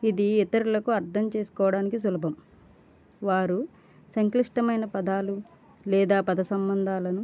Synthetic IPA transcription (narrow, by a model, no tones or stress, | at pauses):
id̪iɛt̪ɐɾulɐkuɐɾt̪ʰɐmt͡ʃe̞ːsu̥kɔːʋɐɽaːnikis̬ulɐbʱɐm | ʋaːɾu | sɐŋkliʂʈɐmɐjnɐpɐd̪aːlu | lɛːd̪aːpɐd̪ɐsɐmbɐnd̪ʱaːlɐnu